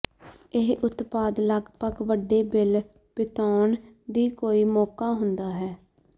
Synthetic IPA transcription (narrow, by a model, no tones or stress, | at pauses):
ɪɦʔʊt̪paːd̪ləɡpəkʋəɖeːbɪl | pɪt̪ɔːɳd̪iːkoːiːmɔːkaːɦʊnd̪aːɦɛː